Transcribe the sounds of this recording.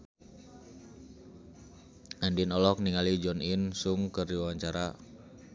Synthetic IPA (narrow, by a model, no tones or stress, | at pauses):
andinɔlɔk̚niŋalid͡ʒɔninsuŋkəriwawaɲt͡ʃaɾa